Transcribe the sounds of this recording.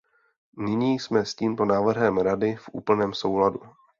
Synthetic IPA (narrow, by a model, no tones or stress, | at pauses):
nɪɲiːsmɛsciːmpo̞naːvr̩ɦɛmɾadɪfʔṵːpl̩nɛːmso̞wladu